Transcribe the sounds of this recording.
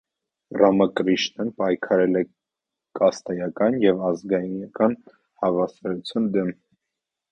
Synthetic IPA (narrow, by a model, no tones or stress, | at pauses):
rɑmɑkɾiʃnənpɑjkʰɑɾɛlɛ | kɑst̪ɛjɑkɑnjɛvɑzɡɑj̪kɑn | hɑvɑsɑɾut͡sʰjɑnd̪ɛm